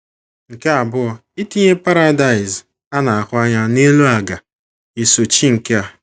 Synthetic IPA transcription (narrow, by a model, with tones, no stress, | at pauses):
ŋ̩˨ke˦a˨bʊ˦ɔ˦ | i˦ti˦ɲe˦pa˦ɾa˦da˨ɪ˨z | a˦na˨a˨kʊ˦a˦ɲa˦ne˦lu˦a˨ɡa˨ | i˨so˨t͡ʃi˦ŋ̩˨ke˦a˨